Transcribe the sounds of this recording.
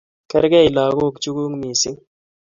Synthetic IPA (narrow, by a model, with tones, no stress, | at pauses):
kɛ˦ɾɡɛ˦˨i˨laː˨ɡo˦˨kt͡ʃu˦ɡu˦ŋmi˨si˦ŋ